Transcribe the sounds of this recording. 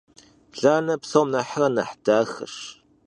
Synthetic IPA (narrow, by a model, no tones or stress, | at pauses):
ɮaːnɐpsoːmnɐħrɐnɐħd̥aːxɐ̰ʂ